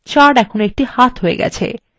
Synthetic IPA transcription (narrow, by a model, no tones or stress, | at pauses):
t͡ɕaɾɖɛkʰonoek̚ʈihat̪ɦoḛɡɛ̰t͡ɕʰḛ